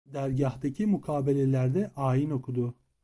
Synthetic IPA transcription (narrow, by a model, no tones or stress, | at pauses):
d̪æɾɟaht̪acʰimukʰaːbe̞lʲelʲæɾd̪ɛʔaːjino̞kʰud̪ʊ